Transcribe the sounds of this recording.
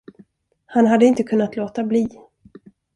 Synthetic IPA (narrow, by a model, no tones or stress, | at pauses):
hanɦad̪ːəɪnt̪əkʰɵnːat̪loːt̪abliː